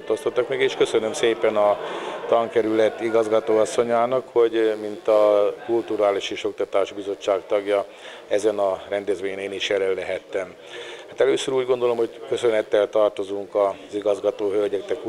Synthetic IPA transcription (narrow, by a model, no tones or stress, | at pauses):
t̪oːst̪ot̪ːɒkmeɡeːʃkø̞sønømseːpɛnɒt̪ɒŋkɛɾylɛt̪ːiɡɒzɡɒt̪oːɒsːo̞ɲaːnɒkho̞ɟmint̪ɒkult̪uɾaːliʃeːʃo̞k̚t̪ɒt̪aːʒbizo̞t͡ʃːaːkt̪ɒɡjɒ | ɛzɛnɒrɾɛnd̪ɛzʋeːɲɛneːniʃjɛlɛlːɛɦɛt̪ːɛm | hat̪ɛløːsøɾuːɟɡo̞nd̪o̞lo̞mho̞ɟkøsønɛt̪ːɛlt̪ɒrt̪o̞zuŋkɒziɡɒzɡɒt̪oːɦølɟɛɡ̚d̪ɛk